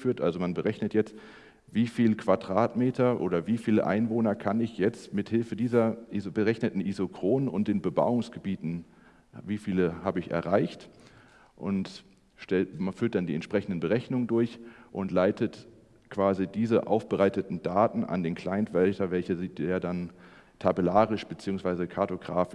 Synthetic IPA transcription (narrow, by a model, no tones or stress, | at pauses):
fyːɐtʔalzomanbəʁɛçnətjɛt͡st | viːfiːlkv̥aɐdʁaːtmeːtʰɐʔo̰ːɾɐviːfiːləʔa̰ɪnvoːnɐkʰanɪçjɛt͡stmɪthɪlfədiːzɐʔizbəʁɛçnətn̩ʔizokʁ̥oːnənʊnt̚d̥eːnbəba̰ʊʊŋsɡ̥əbiːtn̩ | viːfiːləhaːbəɪçɛ̰ɐʁaɪçt | ʔʊ̰nt | ʃtɛfyːɐt̚d̥andiːɛ̰ntʃpʁ̥ɛçn̩dən̩bəʁɛçnʊŋəndʊɐçʔʊntlaɪtʰət | kv̥aːzidiːzəʔa̰ʊfb̥əʁaɪtətn̩daːtn̩ʔa̰ndeːnkʰl̥aɪntv̥ɛltʰɐvɛlçəziːteːɐdan | tʰabəlaːʁɪʃb̥ət͡siːʊŋsv̥aɪzəkʰaɐtoɡʁaːfɪ